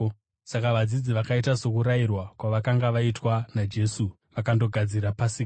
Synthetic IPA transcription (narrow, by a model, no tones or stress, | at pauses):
sakaʋad͡zid͡ziʋakaitaso̞kuɾajirwakwaʋakaŋɡaʋaitwanad͡ʒe̞su | ʋakando̞ɡʱad͡ziɾapasika